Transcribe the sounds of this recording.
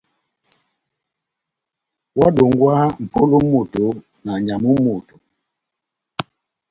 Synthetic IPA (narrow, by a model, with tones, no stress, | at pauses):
wa˦ɗo˨ŋɡwa˦m̩˨po˦lu˦mo˨to˨na˨ɲa˨mu˦mo˨tu˨